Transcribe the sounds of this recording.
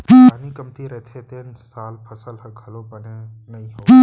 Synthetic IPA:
aːnikəmt̪iɾəɦt̪ʰet̪eːnsaːlpʰəsəlɦəkʰəlobəne | nɐĩɦoː

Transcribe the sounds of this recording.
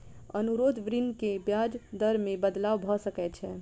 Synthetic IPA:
ənuɾod̪ʋɾinkebjad͡ʒd̪əɾmebəd̪lawbʱɔsəkɛt͡ʃʰɛ

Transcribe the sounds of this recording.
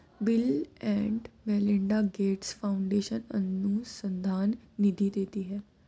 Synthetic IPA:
bɪlɛ̃ːɳɖmɛːlɪɳɖaɡeːʈsfʰaʊ̃ɳɖeːʃənənːũːsə̃nd̪ʱaːnːɪd̪ʱid̪eːt̪iɦɛː

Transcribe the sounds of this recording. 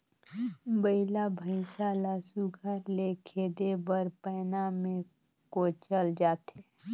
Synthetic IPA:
bəɪlabʱəɪsalaːsuɡʱəɾlekʰeːd̪ebəɾpɛːnamẽ | kot͡ʃəld͡ʒaːt̪eː

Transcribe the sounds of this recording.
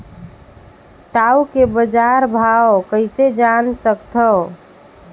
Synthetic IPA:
ʈaukebəd͡ʒaɾbʱaokəɪsed͡ʒansəkt̪ʰə

